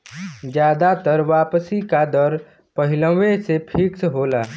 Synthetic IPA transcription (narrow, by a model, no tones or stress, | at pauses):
d͡ʒjaːd̪at̪əɾʋaːpsikad̪əɾ | pəɦɪlə̃ʋesepʰɪksɦoːlaː